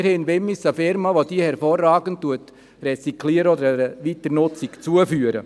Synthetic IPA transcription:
ɾhɛnʋɛmːisəfɪɾmɑʋod̥iəhɛɾfoːrːɑːɡənttːuət | rɛt͡sikʰliəɾəɔd̪əɾɛəʋitəɾnʊt͡sikt͡suəfyːəɾə̰

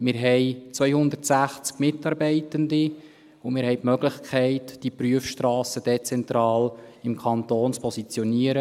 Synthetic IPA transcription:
mɪːɾɦɛɪt͡sʋœjhʊnd̪ərtsæχt͡skmɪtːɑɾbɛɪtəndi | ʊmɪːɾhɛjtmœɡlɪχkʰɛɪtd̥ipryəfʃtɾɑːsəd̥ɛt͡sɛnt̪ɾɑːlɪmkʰɑntoːnt͡spʰɔsit͡sjɔniəɾə

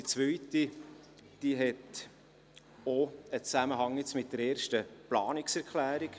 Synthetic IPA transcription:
dit͡svœʏti | d̥iɦɛt | oət͡sæməɦɑŋjɛt͡smɪt̚dəɾeːɾʃtəplɑːnɪksɛɾkʰlæːɾik

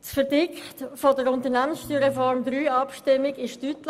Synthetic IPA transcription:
tfəɾdɪktfodəɾʊntəɾnæmənsʃtyːɾefɔɾmdɾyːɑpʃtɪmɪɡɪʃtytl

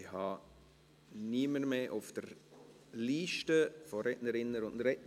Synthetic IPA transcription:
ɪhɑ | niːməɾmeːʔʊfd̥əɾ | liːʃtəfɔɾɛtnəɾɪnːəɾʊndɾɛt

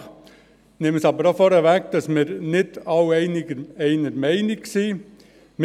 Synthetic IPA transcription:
nɪməsɑbəɾɑfɔɾɛʋækd̥ɑsmɪɾnɪdɑʊɛɪnɪɡəɛɪnəɾmɛɪnɪksiː | m

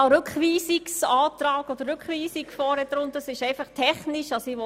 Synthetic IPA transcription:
ɑɾʉkχʋiːsiksɑːt̪ɾɑːkɔd̪əɾɾʉkχʋiːsikfɔːɾɛt̪ɾʊnt̪əsɪʃɛɪfɑχtʰɛχniʃɑsiʋɔ

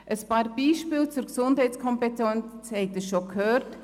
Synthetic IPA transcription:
ʔəspaːɾbiːʃpiːlt͡suɾksʊndhɛɪt͡skʰɔmpɛtɛnt͡shɛɪɡ̚dəsʃokʰhøːɾt

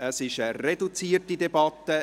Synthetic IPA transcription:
əsɪʃəredut͡siːtidebɑt̪ːə

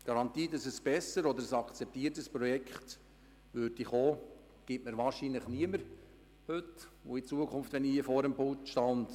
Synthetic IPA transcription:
ɡ̥ɑɾɑnt̪iːdɑsɛsb̥ɛsːəɾɔd̪əɾəsɑkʰt͡sɛp̚t̪iətəspɾɔjɛkχt | ʋøːɾd̥iχoː | ɡ̥ɪtməɾʋɑːɾʃinləχniəməɾ | hɵtʊit͡suəkʰχʊnft̪ʋɛniiəfɔːɾəmbʊtʃtɑnd

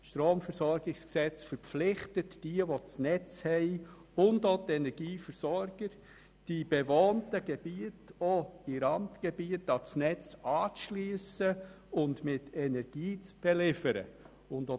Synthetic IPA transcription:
ʃtɾoːmfəɾsɔɾɡɪksksɛt͡sfəɾpp͡flɪχtətd̥iəʋot͡snɛt͡shɛɪ | ʊndotɛnɛɾɡ̥iːfəɾsɔɾɡ̥əɾ | d̥ib̥eʋoːntəɡ̥ɛb̥iətoɪɾɑntɡ̥ebiətɑt͡snɛt͡sɑːt͡sʃlyːsə | ʊndmɪtɛnɛɾɡ̥iːt͡sb̥ɛlɪfəɾə̰ | ʊndo

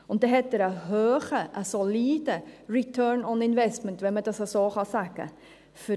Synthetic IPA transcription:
ʊnt̚d̥eɦɛtəɾəɦøːχəʔəsoliːdəɹitʰœɹnɔnɪnvɛstməntʋɛnmədɑsəsoːχɑsæɡ̥ə̰ | fə

